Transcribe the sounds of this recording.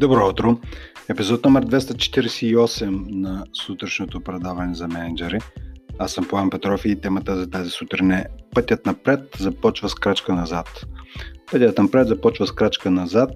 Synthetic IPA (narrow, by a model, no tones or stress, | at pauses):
d̪obɾɔut̪ɾo | ɛpizɔt̪̚nɔmɛɾd̪vɛst̪ət͡ʃɛ̥t̪iɾɛsɛiɔsɛmnɐsut̪ɾɛʃnot̪opɾɛd̪avɐnɛzɐmɛnɛd͡ʒɛɾiasɐmpoampɛt̪ɾɔfiːt̪ɛmət̪əzɐt̪azisut̪ɾinɛpɤt̪ʲət̪nɐpɾɛt̪zɐpɔt͡ʃvəskɾat͡ʃkənɐzat̪pət̪ʲət̪nɐpɾɛt̪zɐpɔt͡ʃvəskɾat͡ʃkənɐzat̪̚